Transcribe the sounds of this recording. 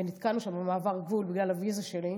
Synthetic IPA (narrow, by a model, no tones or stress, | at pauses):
enit̪kalnuʃambemaːvaʁɡvulbiɡlalavizaʃeli